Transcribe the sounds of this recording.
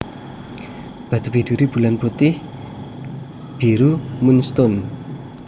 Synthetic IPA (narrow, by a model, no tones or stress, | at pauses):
b̥a̤t̪upid̥̪uɾib̥ulanb̥ot̪ɪh | b̥iɾumunst̪ɔn